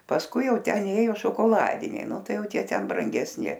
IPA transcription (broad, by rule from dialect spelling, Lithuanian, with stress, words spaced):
pɐsˈkʊɪ ˈjɛʊ ˈtʲɛn ˈeːjoː ʃoːkoːˈlˠɑːdʲɪnʲɛɪ ˈnʊ ˈtɐɪ ˈjɛʊ ˈtʲiɛ tʲɛn brɐŋʲɡʲɛsʲˈnʲɪ